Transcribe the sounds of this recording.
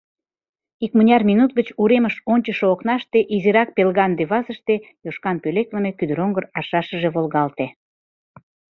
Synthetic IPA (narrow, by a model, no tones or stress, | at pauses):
ikmənʲɑrminut̪̚ɡət͡ɕuɾeməʃonʲt͡ɕəʃooknɑʃt̪eʔiziɾɑk̚pelɣɑnd̪eβɑzəʃt̪ejoʃkɑnpølekləmekyd̪əɾoŋɡərɑʃɑʃəʒeβolɣɑlt̪e